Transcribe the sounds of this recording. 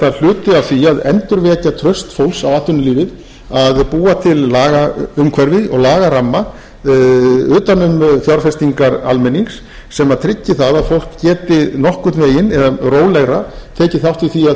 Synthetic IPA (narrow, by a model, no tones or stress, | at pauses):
al̥ʏːt̪ʏavθiaðɛ̰nt̪ʏɾvɛːcat̪ʰɾœst̪fowlsawaːt̪ʏnɪliːvɪð | aðpuːat̪ʰɪllaːɣaʏmkʰvɛɾvɪðɔ̰ɣlaːɣaɾamːa | ʏːt̪anʏmθjawɾfɛst̪iŋkaɾa̰lmɛnːiŋsː | ɛmaðt̪ʰɾɪcːɪθaðaðfowl̥kcɛːt̪ɪnɔhkʏ̥t̪veːjɪnɛðaroːwlɛɣɾat̪ʰeːcɪθjawht̪viθiað